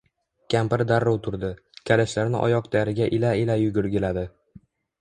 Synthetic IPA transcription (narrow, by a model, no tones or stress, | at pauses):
kʲʰampɪɾd̪aɾːowt̪ʰʊɾd̪ɪ | kʲʰalaʃlaɾnɪ̰ʔɒ̰jɒq̚t̪ʰajɾɪɡʲaʔɪlaɪlajʊɡʲʊɾɡʲɪlad̪ɪ